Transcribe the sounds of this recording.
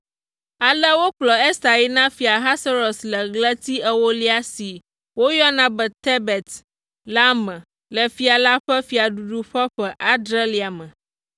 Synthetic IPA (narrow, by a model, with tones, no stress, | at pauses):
a˨lə˦wo˦k͡plɔ˨e˦sa˨ji˦nã˦fi˨a˨ɦa˦sa˦ɾo˨slə˨ɡlə˦t̪i˦ɛ˨wo˦li˦a˦si˨ | wo˦jɔ˦nã˦bɛ˨t̪e˦bɛ˨t̪ | la˦mɛ̃˨ | lə˨fi˨˦a˨la˦ɸɛ˦fi˨a˨ɖu˨ɖu˦ɸɛ˦ɸɛ˨ʔa˦d̪ɾe˦li˨a˨mə̃˨